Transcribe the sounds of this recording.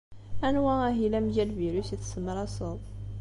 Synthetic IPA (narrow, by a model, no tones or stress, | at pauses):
ænwææɦilæmʝælviɾusiθsəmːəɾɑsəðˤ